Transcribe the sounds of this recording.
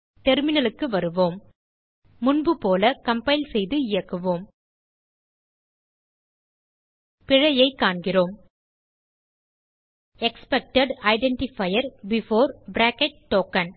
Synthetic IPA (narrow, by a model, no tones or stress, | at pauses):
tɛɾmɪnɐlɯkːɯʋɐɾɯʋoːmː | ʊnbɯpoːlɐkɐmpɐɪlsɛjðɯɪjɐkːɯʋoːm | pɪɻɐjɐɪkːaːɳɡɪroːm | ɛkspɛk̚ʈɐɖɐɪɖɛɳʈɪfɐjɐɾbɪfoːɾbɾaːkɛʈ̚ʈːoːkɐn